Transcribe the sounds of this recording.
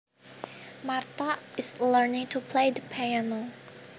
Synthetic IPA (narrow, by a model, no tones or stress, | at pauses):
mart̪aɪsləɹnɪ̃ŋtʰupʰlejd̪əpʰaano